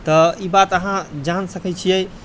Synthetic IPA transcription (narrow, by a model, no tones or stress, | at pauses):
t̪ɔibat̪əɦãd͡ʒansəkɛt͡ʃʰijɛj